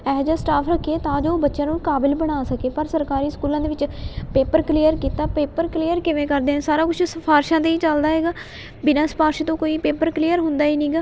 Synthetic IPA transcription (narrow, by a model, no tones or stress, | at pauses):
ɛːd͡ʒaːsʈaːpʰɾəkʰːieːt̪ãːd͡ʒoːbətːʃãːnũːkaːbɪlbəɽ̃aːsəkeːpəɾsəɾkaːɾiːskuːlãːd̪eːʋɪt͡ʃpeːpəɾklijəɾkiːt̪aːpeːpəɾkliːjəɾkɪʋẽːkəɾd̪eːɛ̃ːsaːɾaːkʊt͡ʃʰsəpʰaːɾʃãːt̪eːiːt͡ʃəld̪aːɦɛːɡaː | bɪnãːspaːɾʃt̪õːkoːiːpeːpəɾklijəɾɦʊnd̪aːiːniːɡaː